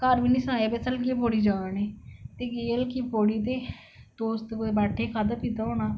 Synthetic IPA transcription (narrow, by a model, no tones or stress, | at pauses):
kəɾbiːnĩːsənaːjeːbesəlɡeːpoːɽiːd͡ʒãːneːt̪eːɡeːəlkiːpoːɽiːt̪eː | d̪̥oːst̪bɛːʈʰeːkʰaːd̪aːpiːt̪aoːnaː